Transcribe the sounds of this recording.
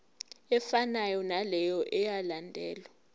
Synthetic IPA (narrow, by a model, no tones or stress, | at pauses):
ɛfanajɔnalɛjɔʔɛjalandʱɛːlwa